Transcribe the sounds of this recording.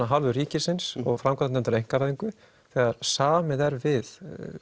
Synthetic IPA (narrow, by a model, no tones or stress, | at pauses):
aɦalvʏɾiːcɪsɪnsɔɣfɾamkʰant̪nɛmnt̪ʏɾejŋ̥kaɾaːðiŋkʏ | θɛːɣaɾsaːmɪðɛɾvɪð